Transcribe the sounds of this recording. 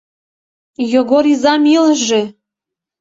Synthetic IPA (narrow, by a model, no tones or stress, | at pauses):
joɡoɾizɑmilʒe